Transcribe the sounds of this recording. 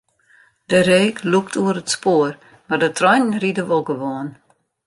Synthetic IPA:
dəɾeːkʰluktʰuəɾətspoər | mardətʰrɔjnn̩ridəʋolˠɡəʋoən

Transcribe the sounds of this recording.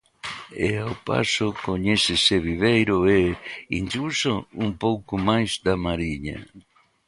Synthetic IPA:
eawpa̰sʊkoɲɛsɪseβiβejɾʊɛind͡ʒulsoumpowkʊmajzd̪amaɾiɲa̰

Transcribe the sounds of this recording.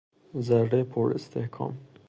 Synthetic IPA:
zæɾːepʰoɾest̪ʰehkʰɒ̰ːm

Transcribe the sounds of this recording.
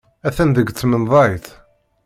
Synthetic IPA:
æθænðəɡt͡sːmənðˤɑjθ

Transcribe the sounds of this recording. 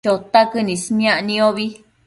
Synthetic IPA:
ot̪akɨnĩsnj̃ãʔnĩõβi

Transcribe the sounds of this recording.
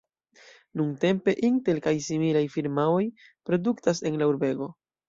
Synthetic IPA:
nuŋte̞mpe̞ʔinte̞lkajsimilajfiɾmao̞j | pɾo̞duktas̬e̞nlauɾbe̞ɡo̞

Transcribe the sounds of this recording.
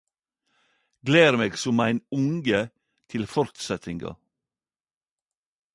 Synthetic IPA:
ɡleːɾmeːɡsʊmæɪnʊŋɡə | t̪ʰɪlfɔɾt̪sɛt̪ɪŋɡɑ̰

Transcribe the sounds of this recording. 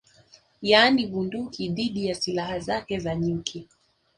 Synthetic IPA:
janiɓundukiðiɗijasilahazakɛzaɲukʰi

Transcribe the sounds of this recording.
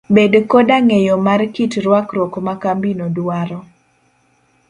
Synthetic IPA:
bedkɔdaŋejɔmarkitɾwakɾɔkmakambinodwaɾɔ

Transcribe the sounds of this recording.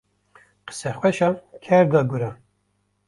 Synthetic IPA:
qə̥sɛχʷwɛʃɑkʰɛɾd̪ɑɡuɾɑ

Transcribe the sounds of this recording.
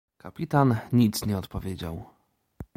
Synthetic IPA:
kapʲit̪anɲit̪sɲɛɔt̪pɔvʲjed͡ʑa̰w

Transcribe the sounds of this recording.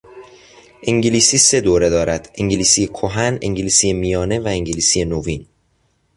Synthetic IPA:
ʔeŋɟiliːsiːse̞d̪oːɾe̞d̪ɒːɾæd̪̥ʔeŋɟeliːsijekʰoɦænḛŋɟiliːsije̞mijɒːne̞væeŋɟeliːsije̞novin

